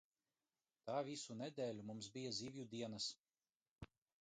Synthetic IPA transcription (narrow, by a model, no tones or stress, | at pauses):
t̪aːvʲisunɛd̪ʲɛːlʲumumsbʲijaziːvʲjud̪iɛnɐs